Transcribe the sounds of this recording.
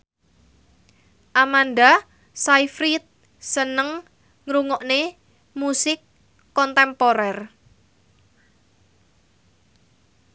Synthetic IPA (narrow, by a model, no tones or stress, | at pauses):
ʔamanɖa | saifɾit̪̚ | sənəŋ | ŋɾuŋɔʔne | musɪkː | ɔnt̪ɛmpoɾɛr